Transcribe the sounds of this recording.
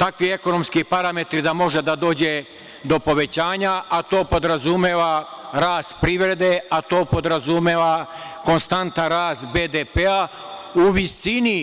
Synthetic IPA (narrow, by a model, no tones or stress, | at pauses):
t̪akʋie̞ko̞no̞mskipaɾame̞t̪ɾid̪amo̞ʒe̞d̪ad̪o̞ːd͡ʑe̞ | d̪o̞po̞ʋe̞t͡ɕaːɲaat̪o̞ːpo̞d̪ɾazumeʋaɾaːst̪pɾiːʋɾe̞d̪e̞at̪o̞ːpo̞d̪ɾazumeʋako̞nst̪ant̪anɾaːst̪beːd̪epea | uʋisini